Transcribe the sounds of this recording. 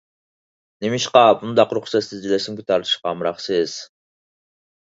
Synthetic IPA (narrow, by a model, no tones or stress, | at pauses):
nemiʃqɑbund̪ɑqɾuχsɛsɨzd͡ʒilɛsimkʲʰyt̪ʰɑɾt̪ʰɨ̥ʃqɑmɾɑχsɪz̥